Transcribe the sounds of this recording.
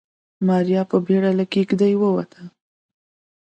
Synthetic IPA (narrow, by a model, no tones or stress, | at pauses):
mɑɾjɑpəbeɽalakekd̪ajwəwa̰t̪ʰə